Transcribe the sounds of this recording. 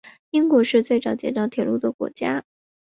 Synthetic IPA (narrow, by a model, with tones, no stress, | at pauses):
i˥ŋkwɔ˧˥ʂɻ̩˥˧t͡swe˥˩ɪʈ͡ʂɑ˨˩˥ʊt͡ɕjɛ̰˨˩ʈ͡ʂ̪ɑ˥˩ʊt̪ʰjɛ˨˩lu˥˩d̪ə˩kwɔ̰˧˥t͡ɕja˥